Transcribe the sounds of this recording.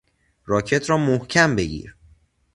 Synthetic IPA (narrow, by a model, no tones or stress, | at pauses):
rɒːcʰe̞t̪ʰɾɒːmohcʰæmbe̞ɟḭːɾ